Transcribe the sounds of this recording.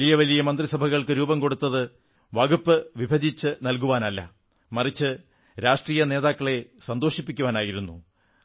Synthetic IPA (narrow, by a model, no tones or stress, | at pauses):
lijɐʋɐlijɐmɐnd̪risɐbʱɐɣɐɭkɨɾuːbɐmko̞ɽut̪ːɐðɨ | ʋɐɡupːɨʋibʱɐd̪it͡ɕːɨnɐlk̬uʋaːnɐlːɐ̰ | mɐrit͡ɕːɨ | ɾaːʂʈriːjɐne̞ːðaːkːɐɭe̞sɐnd̪oːʂipːikʲːuʋaːnaːjiɾunːu